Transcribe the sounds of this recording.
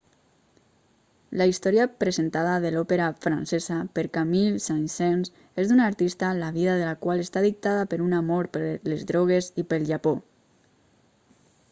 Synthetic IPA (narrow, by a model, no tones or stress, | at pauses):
laist̪ɔɾjapɾəzent̪aðaðəlɔpeɾafɾansezapəɾkamilsansɛns | ezd̪unaɾt̪ist̪alaβiðaðəlakwaləst̪aðik̚t̪aðapəɾunamɔɾpəɾlezðɾɔɣ̞ezipəlˠʒapɔ